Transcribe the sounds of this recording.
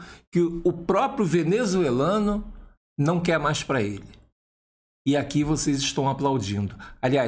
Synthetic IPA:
kɪʊpɾɔpɾjʊvenezuelɐ̃nʊ | nɐ̃w̃kɛɾmajspɾɐelɪ | ɪakivosezɪʃt̪ɐ̃w̃aplawd͡ʒĩnd̪ʊalia

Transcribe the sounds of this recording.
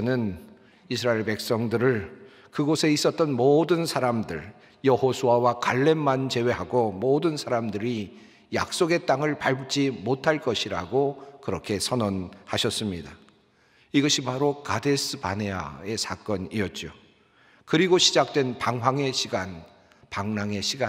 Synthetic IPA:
nɯn | isʰɯɾaeɭpe̞k̚s͈ʌŋdɯɾɯɭ | kɯɡosʰe̞is͈ʌt̚t͈ʌnmodɯnsʰaɾamdɯɭ | jʌhosʰuawakaɭːe̞mːant͡ɕe̞we̞ɦaɡomodɯnsʰaɾamdɯɾi | ja̰k̚s͈oɡe̞t͈aŋɯɭpaɭbɯk̚t͡ɕ͈imotʰaɭk͈ʌɕʰiɾaɡokɯɾʌkʰe̞sʰʌnʌnhaɕʰʌs͈ɯmɲida | iɡʌɕʰipaɾokade̞sʰɯpa̰ne̞a̰e̞sʰak͈ʌniʌt̚t͡ɕ͈o | kɯɾiɡoɕʰid͡ʑak̚t͈we̞npaŋɦaŋe̞ɕʰiɡan | paŋnaŋe̞ɕʰiɡa

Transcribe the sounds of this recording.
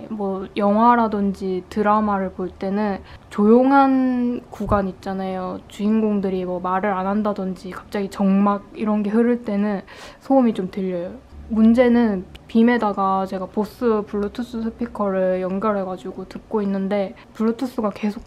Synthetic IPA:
mwʌjʌŋɦwaɾadɯnd͡ʑitɯɾamaɾɯɭpoɭt͈e̞nɯnt͡ɕojoŋɦankuɡaɲit̚t͡ɕ͈anajot͡ɕuinɡoŋdɯɾimʌmaɾɯɾanɦandadɯnd͡ʑikḁp̚t͡ɕ͈aɡit͡ɕʌŋmaɡ̚iɾʌnɡe̞ɦɯɾɯɭt͈e̞nɯnsʰoumit͡ɕomtɯʎːʌjomund͡ʑe̞nɯnpime̞daɡat͡ɕe̞ɡapos͈ɯpuɭːotʰus͈usʰɯpʰikʰʌɾɯɭjʌŋɡjʌɾɦe̞ɡad͡ʑuɡotɯk̚k͈oinːɯnde̞ | puɭːotʰus͈uɡake̞sʰok̚

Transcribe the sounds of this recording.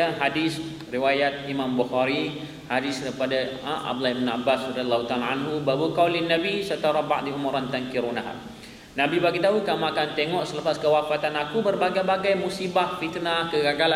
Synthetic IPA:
aɦadis | riwajat̪̚imãmbuhaɾi | hadisdapadaʔa̰bd̪laibənabasrad̪ialːahut̪alaanɦubabukawlinabisərt̪aɾaba̰ʔ̚diuməɾant̪ankiɾunaɦa̰ | nãbibaɡit̪aɦukamũakant̪eŋɔʔsələpaskəwafat̪anakubərbaɡajbaɡajmusibahfit̪nakəɡaɡala

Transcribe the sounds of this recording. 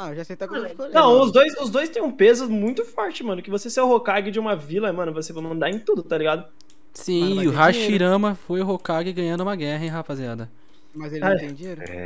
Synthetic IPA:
ɐʒasejt̪akonɐ̃w̃ʊzd̪ojsʊzd̪ojst̪ẽj̃ũpezʊmũj̃t̪ʊfɔɾt͡ʃɪmɐ̃nʊkɪvoseseʊɦokaɡɪd͡ʒɪũmɐvilɐmɐ̃nʊvosevɐ̃nɐ̃nd̪aɾẽj̃t̪ud̪ʊt̪aliɡad̪ʊ | sĩɪʊɦaʃiɾɐ̃mɐfojʊɦokaɡɪɡɐ̃jɐ̃nd̪ʊũmɐɡɛɦɐẽɦapaziad̪ɐ | mɐzelaẽd͡ʒiɾ̃

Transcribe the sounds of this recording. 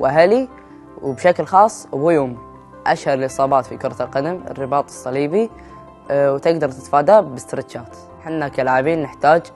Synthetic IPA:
wʔaɦali | wbʃaklxɑːsˤːʔbujʊm | ʔaʃhɑɾˤlʔɨsˤɑːbɑːt̪fikʊɾˤɑlqɑd̪amɪ̰rːɪbɑːt̪ˤɨ̥sˤːɑliːbi | wt̪ɪɡd̪ɑɾˤt̪ɪt̪faːd̪abɪst̪ɾɪʃaːt̪ | ħɪnːakalʕabiːnːɪħt̪aːd͡ʒ

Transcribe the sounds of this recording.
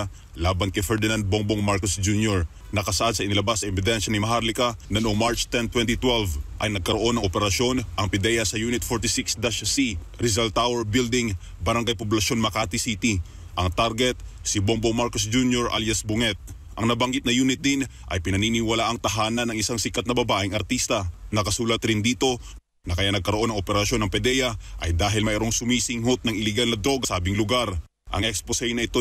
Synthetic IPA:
laːbɐnkɐjfɛɹd̪ɪnand̪̚boŋboŋmaɹkosd͡ʒunjoɹ | nɐkɐsɐʔad̪sɐʔɪnɪlɐbasːɐɛbɪd̪ɛnʃɐnɪmɐɦaɾlɪkanɐnoʔoŋmaɹt͡ʃt̪ɛnt̪wɛnt̪it̪wɛlvʔɐjnɐɡ̚kɐɾoʔo̞nːɐŋʔopɛɾɐʃjo̞nʔɐŋpɪd̪ɛjɐsɐjuːnɪt̪̚foɹt̪ɪsiksd̪aʃɐsi | ɾɪzalt̪awɛɹbild̪ɪŋ | bɐɾɐŋɡajpopʊlɐʃo̞nmɐkaːt̪isit̪i | ʔɐŋt̪aɾɡɛt̪̚sɪbombomaɾkosd͡ʒunjoɹʔa̰ljasbʊŋɛt̪̚ | ʔɐŋnɐbɐŋɡɪt̪̚nɐjuːnɪt̪̚d̪ɪn | ʔɐ̰jpɪnɐninɪwɐlaʔɐŋt̪ɐɦaːnɐnɐŋɪsaŋsɪkɐt̪nɐbɐbaːʔɪŋɐɾt̪ist̪ɐnɐkɐsuːlɐt̪ɾɪnd̪iːt̪o̞ | nɐkɐjanɐɡ̚kɐɾoʔo̞nɐŋʔopɛɾɐʃjo̞nɐŋpɛd̪ɛjɐʔɐjd̪aːɦɪlmɐʔɛɾoŋsʊmiːsɪŋhot̪̚nɐŋɪlɪɡalnɐd̪ɾo̞ɡɐsaːbɪŋlʊɡaɾ | ʔɐ̰ŋʔɛksposɐjnɐʔɪt̪o

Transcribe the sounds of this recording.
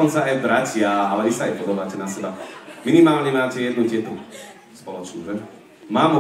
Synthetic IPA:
ɔnt͡saajbɾacɪaalɛisaːjpɔd̪abaːcɛnasɛbaminimaːlɲɛmaːcɛjɛd̪nutɪɛt̪u | spɔlɔt͡ʃnṵːʒɛ | maːmu

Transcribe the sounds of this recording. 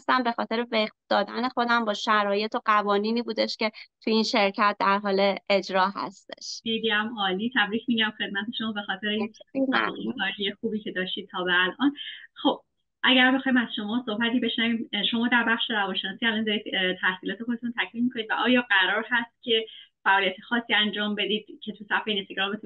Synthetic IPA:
st̪æmbe̞xɒːt̪ʰe̞ɾeveq̚d̪̥ɒːd̪æne̞xo̞d̪æmbɒːʃæɾɒːje̞t̪ʰo̞ɢævɒːniːniːbuːd̪eʃce̞t̪ʰujinʃe̞ɾcʰæt̪̚d̪æɾɦɒːle̞ʔed͡ʒɾɒːɦæ̰st̪e̞̥̰ʃid̪iæmɒːliːt̪ʰæbɾiːcʰmiɟæmxe̞d̪̚mæt̪ʰe̞ʃo̞mɒːbe̞xɒːt̪ʰe̞ɾein̰ɣekɒːd͡ʒijexuːbiːcʰe̞d̪ɒːʃt̪iːd̪̚tʰɒːbeælʔɒnxob̥̚ | ʔæɟæɾbexɒːjimæzʃo̞mɒːsohbæt̪ʰiːbe̞ʃnæviːmʃo̞mɒːd̪æɾbæχʃeɾævɒnʃenɒːsiːælɒnd̪ɒɾid̪t̪ʰæhsiːlɒːt̪ʰexod̪e̞t̪ʰunt̪ʰæcʰmiːnmikʰonid̪væʔɒːjɒːɢæɾɒːɾɦæst̪̚cʲʰe̞fæʔɒːlijæt̪ʰexɒːsːiːænd͡ʒɒːmbe̞d̪iːd̪̥̚cʰe̞t̪ʰusæfeinest̪eɡɾɒmbet̪u

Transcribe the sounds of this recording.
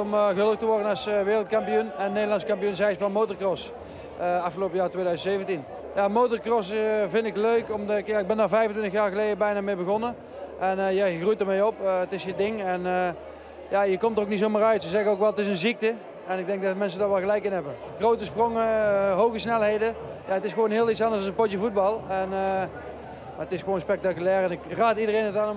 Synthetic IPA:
ɔmɣələk̚təʋɔɹdənɑsʋɪːrlˠt̚kɑmpijunɛnnːejdəlˠɑnskɑmpijunzɛjsbɑlˠmowtərkrɔs | ɑfxəlowpəjaːɹtʋejdœɥzəntsejvəntin | jaːmowtərkrɔsvɪndɪkløɥkɔmdkjaːɪɡ̚bɛndaːɹvɛjvəntʋɪntəxjaːɹɣəlejdəbɛjnaːmeːbəɣɔnə | ʔɛnjajəxrujtərmejɔptɪsjədɪŋɛnə | jajəkɔmtəroknitsowmaːrœɥtsəzɛɣəowkʋɛlˠətɪsənzik̚tə | ɛnɪɡ̚dɛŋk̚dɑtmɛns̬ədaːɹʋɛlˠɣəlɛjkɪnɦɛbə | xrowtəsproŋəɦowɣəsnɛlˠɦejdəjaətɪsxʋownɦɪːlˠitsɑndəsɑsəpɔtjəvud̚bɑlˠɛnə | maətɪsxəʋoːnspɛk̚takylɛːrɛnɪkraːtidərejnətan

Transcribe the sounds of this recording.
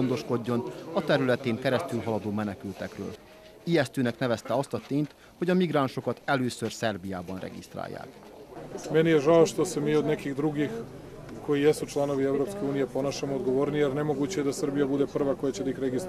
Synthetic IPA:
ond̪o̞ʃko̞ɟːo̞nɒt̪ɛɾylɛt̪eːŋkɛɾɛst̪ylɦɒlɒd̪oːmɛnɛkylt̪ɛkrø̰ːl | ijɛst̪øːnɛknɛvɛst̪ɛɒst̪ɒt̪eːɲt̪ | hoɟɒmiɡraːnʃo̞kɒt̪ɛløːsørsɛrbijaːbɒnrɛ̰ɡḭst̪ɾa̰ːjːa̰ːk | mɛnijeʒaoʃt̪o̞semiːod̪nɛkiɣd̪ɾuɡix | ko̞jijesut͡ʃlano̞ʋievɾopskeuːnijepo̞noʃemood̪ɡoʋoɾnijɛɾnɛmoɡuːt͡ɕejed̪asr̩bijabud̪epr̩ʋako̞jat͡ɕed̪aixɾeɡist̪

